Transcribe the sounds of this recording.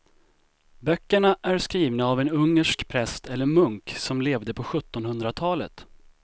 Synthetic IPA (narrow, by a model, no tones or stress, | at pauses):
bœkːəɳaʔæɾskɾiːvnaːvɛnɵŋːəʂkpʰɾɛst̪ʰɛlːəɾmɵŋksɔmleːvd̪əpʰɔɧɵt̪ːɔnhɵnd̪ɾat̪ʰɑːlə̰t̪